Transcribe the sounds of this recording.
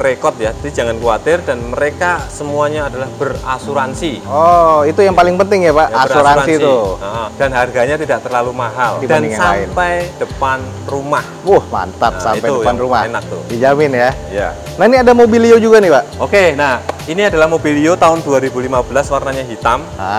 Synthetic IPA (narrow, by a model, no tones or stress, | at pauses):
rekɔt̪̚jadid͡ʒaŋankuat̪ɪrdanməɾekasəmuaɲaːdalahbərasuɾansiɔit̪ujaŋpalɪŋpənt̪ɪŋjabaʔasuɾanasit̪uʔɔd̥anɦarɡaɲat̪idaʔ̚t̪ərlalumaɦaldid̥aniŋasala̰mɪnpajd̥əpan | rumahwuhma̰nt̪apsa̰mpajudpanruma̰henak̚t̪ṵdid͡ʒamɪnja | ja̰ | nahiniadamobiliod͡ʒuɡanɪhbaʔokenahiniadalahmobiliot̪aʊnduaɾibulimabəlaswarnaɲaɦit̪am